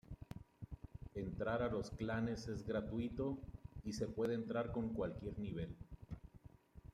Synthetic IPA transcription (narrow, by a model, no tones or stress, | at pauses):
e̞nt̪ɾaɾalo̞sklane̞se̞zɣɡɾat̪wit̪o̞ise̞pwe̞ð̞eːnt̪ɾaɾko̞ŋkwalkje̞ɾniβ̞e̞l